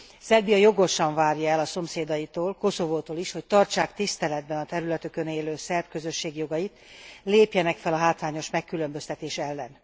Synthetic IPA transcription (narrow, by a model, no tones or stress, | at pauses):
sɛlbijɒjo̞ɡo̞ʃɒɱvaːrjɒɛlɒso̞mseːd̪ɒjit̪oːlko̞so̞voːt̪oːliʃho̞ct̪ɒrt͡ʃaːkt̪ist̪ɛlɛd̪̚bɛnɒt̪ɛɾylɛt̪ykøneːløːsɛrbkø̞zø̞ʃːeːɡjo̞ɡɒjit̪leːpjɛnɛkfɛlɒɦaːt̪ʋaːɲo̞ʃmɛkːylø̞mbø̞st̪ɛt̪eːʃɛlːɛn